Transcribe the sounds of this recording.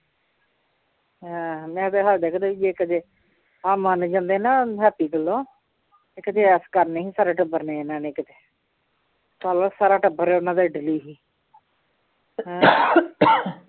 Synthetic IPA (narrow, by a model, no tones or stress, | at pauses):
ɦɛ̃ːmɛ̃ːt̪eːɦad̪eːkʰd̪aːʋiːd͡ʒeːkət̪eː | aːmənd͡ʒãːnd̪eːnaːɦɛːpiːɡəlːõː | ɪkət̪eːɛːskəɾnẽːĩːsaːɾeːʈəbəɾneːnãːneːkt̪eː | saːlasaːɾaːʈəbəɾɛːʊnãːd̪eːɖɪliːɦiː | ɦɛ̃ː